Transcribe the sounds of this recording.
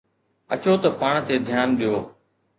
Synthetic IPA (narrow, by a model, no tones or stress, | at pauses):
ət͡ɕoːt̪ɐpaːɳ̃t̪eːd̪ʱjaːnɗijoː